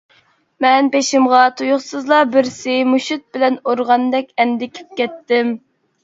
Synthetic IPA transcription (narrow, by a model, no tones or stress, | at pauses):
mɛnpeʃɪmʁɑt̪ʰujʊχsɨzlˠɑbɪɾsɪmuʃut̪̚bɪlɛnoɾʁɑnd̪ɛkʲɛnd̪ɪkʲʰe̥p̚kʲɛt̪ːɪm